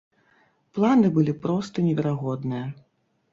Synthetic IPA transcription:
plˠanɨbɨlʲipɾɔst̪ɐnʲɛvʲɛɾaɣɔd̪nɨjɐ

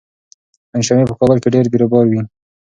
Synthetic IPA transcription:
anʃamepəkɑbəlkeɖeɾd̪iɾobɑɾwi

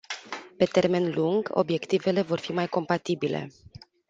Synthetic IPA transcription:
pe̞t̪e̞rme̞nluŋɡo̞̰bje̞kt̪ive̞le̞vo̞rfimajko̞mpat̪ibile̞̰

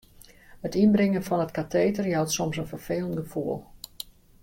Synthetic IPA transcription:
hətinbrɪŋənfɔnətkateːtərjawtsɔmsənfərfeːlˠəntɡəfuəlˠ

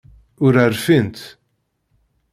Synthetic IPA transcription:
ʊɾaɾfɪnt̪

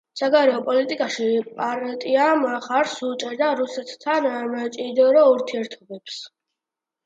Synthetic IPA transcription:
saɡaɾɛɔpʼɔlit̪ʼikʼaʃipʼaɾt̪ʼiamχaɾsut͡ʃʼɛɾd̪aɾusɛt̪ʰt̪ʰanmt͡ʃʼid̪ɔɾɔuɾt̪ʰiɛɾt̪ʰɔbɛps

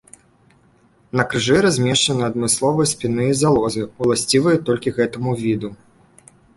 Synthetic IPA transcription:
nɐkɾɨʐɨɾazʲmʲɛʂt͡ʂɐnɨɐd̪mɨslˠɔvɨjɐsʲpʲinɨizalˠɔzɨulˠasʲt͡sʲivɐjɛt̪ːɔlʲkʲiɣɛt̪ɐmuvʲid̪u

